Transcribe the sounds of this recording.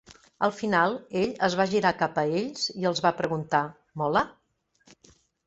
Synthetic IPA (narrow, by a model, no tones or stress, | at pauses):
əlˠfinalˠeʎəzβaʒiɾakapəeʎsiəlˠzβapɾəɣunt̪a | mɔlə